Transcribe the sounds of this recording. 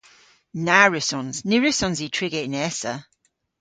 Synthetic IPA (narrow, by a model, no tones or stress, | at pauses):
naɹɪsɔnznɪɹɪsɔ̃nzitʰɹ̥ɪɡeʔnɛsə